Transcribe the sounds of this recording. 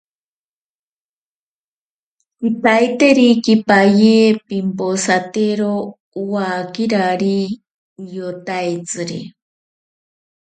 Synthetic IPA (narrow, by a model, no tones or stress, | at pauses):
it̪ajt̪eɾikipajepimposat̪eɾo | uwakiɾaɾi | jot̪ajt͡sɨɾḭ